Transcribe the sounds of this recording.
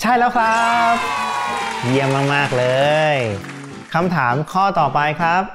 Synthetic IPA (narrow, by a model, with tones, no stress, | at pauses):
t͡ɕʰa˥˩jlɛː˦˥wkʰɾa˦˥p̚ | ji˧əmːaː˧maː˥˩k̚lɤː˧j | kʰa˧mt̪ʰaː˩˦mkʰɔː˥˩t̪ɔː˨˩pa˧jkʰɾa˦˥p̚